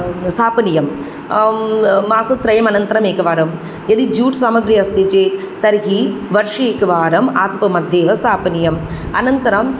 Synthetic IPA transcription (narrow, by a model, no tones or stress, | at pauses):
st̪ʰaːpɐnijɐm | maːsɐt̪ɾɐjɐmɐnɐnt̪ɐɾɐmeːkɐʋaːɾɐm | jɐd̪id͡ʒuːʈsaːmɐɡɾijɐst̪it͡ʃeː | t̪ɐɾɦiʋɐɾʂieːkɐʋaːɾɐmaːt̪pɐmɐd̪ʱːeːʋɐst̪ʰaːpɐnijɐm | ɐnɐnt̪ɐɾɐm